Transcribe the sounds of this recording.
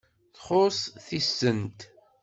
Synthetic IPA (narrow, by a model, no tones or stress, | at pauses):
θχosθisːənt̪